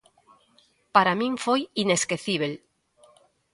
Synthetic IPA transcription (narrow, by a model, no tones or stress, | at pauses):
paɾamĩŋfojine̞skeθiβ̞el